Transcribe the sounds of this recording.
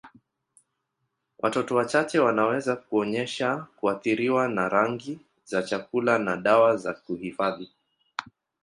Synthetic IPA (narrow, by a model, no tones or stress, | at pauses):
wʔa̰tɔtɔwat͡ʃat͡ʃɛwanawɛzakuɔɲɛʃakuaθiɾiwanaɾaŋɡi | zat͡ʃakulanaɗawazakuhifaði